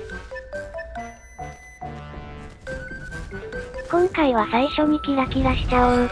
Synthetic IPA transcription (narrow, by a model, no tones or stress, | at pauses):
kõ̞ŋkaiβ̞asaiɕo̞mʲikʲiɡakʲiɡaɕi̥t͡ɕaɯ̃n